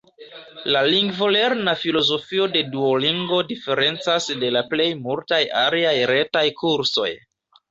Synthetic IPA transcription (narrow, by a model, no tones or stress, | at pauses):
laliŋɡvo̞le̞ɾnafilo̞zo̞fio̞de̞duoliŋɡo̞dife̞ɾe̞nt͡sasde̞laple̞jmultajaliajɾe̞tajkʰuɾso̞̰j